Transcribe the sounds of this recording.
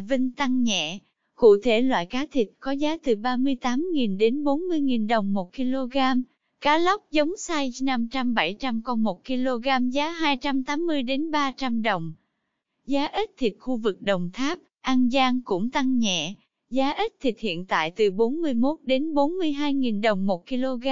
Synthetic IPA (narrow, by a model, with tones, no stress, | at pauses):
vï˧ŋ̟t̪a˧ŋɲɛ̰˧˨ | kṵ˧˨t̪ʰe˧˩lwa̰ː˧˨jkaː˨˦t̪ʰï˨˩t̚kɔ˨˦zaː˨˦t̪ɨ˨˩ɓaː˧mɨ˧əjt̪aː˨˦mŋi˨˩nɗe˨˦nɓo˨˦nmɨ˧əjŋi˨˩nɗə˨˩wŋ͡mmːo˨˩t̚ki˧lo˧ɣaː˧m | kaː˨˦la˦˥k͡p̚zə˨˦wŋ͡msaː˧jna˧mt͡ɕa˧mɓa˧˩jt͡ɕa˧mkɔ˧nmo˨˩t̚ki˧lo˧ɣaː˧mzaː˨˦ɦaː˧jt͡ɕa˧mt̪aː˨˦mːɨ˧əjɗe˨˦nɓaː˧t͡ɕa˧mɗə˨˩wŋ͡m | zaː˨˦ʔi˦˥t̚t̪ʰi˨˩t̚xu˧vɨ˨˩k̚ɗə˨˩wŋ͡mt̪ʰaː˦˥p̚ʔaː˧ŋzaː˧ŋkʊ̰˧˥ŋ͡mt̪a˧ŋɲɛ̰˧˨ | zaː˨˦ʔi˦˥t̚t̪ʰï˨˩t̚hḭ˧˨ənt̪a̰ː˧˨jt̪ɨ˨˩ɓo˨˦nmɨ˧əjmo˦˥t̚ɗe˨˦nɓo˨˦nmɨ˧əjɦaː˧jŋi˨˩nɗə˨˩wŋ͡mmo˨˩t̚ki˧lo˧ɣaː˧